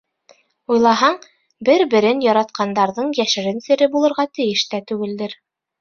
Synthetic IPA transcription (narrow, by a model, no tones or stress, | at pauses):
ujlˠɑɦɑɴ | bɘɾbɘ̆ɾɘnjɒɾɑt̪̚qʰɑnd̪ɑɾðɤɴjæʃɘ̆ɾɘnsɘ̆ɾɘbulˠɤ̆ɾʁɑt̪ɘ̆jɘʃt̪æt̪ʉɡɘ̆ld̪ɘɾ